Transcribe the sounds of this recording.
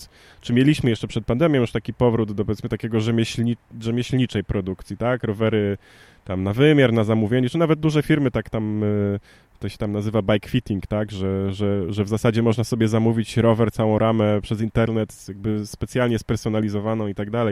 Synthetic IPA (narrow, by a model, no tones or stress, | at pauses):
t͡ʂɘmʲjelʲiɕmɘjɛʂt͡ʂɛpʂɛt̪̚pand̪ɛmjɔ̃juʂt̪akʲipɔvɾud̪d̪ɔp̬ɔvʲjeɛsmɘt̪akʲɛɡɔʐɛmʲɕiʐɛmʲjeɕlɲit͡ʂɛjpɾɔd̪ukt̪sʲit̪akɾɔvɛɾɘ | t̪amnavɘmʲjaɾnazamuvʲjeɲɛt͡ʂɘnavɛd̪̚d̪uʐɛfʲiɾmɘt̪akt̪am | t̪ɔɕɛ̥t̪amnazɘvabajkfʲit̪ʲiŋkt̪aɡʐɛʐɛʐɛvzasad͡ʑɛmɔʐnasɔbʲjɛzamuvʲit͡ɕɾɔvɛɾt̪sawɔ̃w̃ɾʔamɛpʂɛzint̪ɛɾnɛt̪jaɡ̚bɘspɛt̪sʲjalɲɛspɛɾsɔn̪alʲizɔvanɔ̃w̃it̪aɡ̚d̪alɛj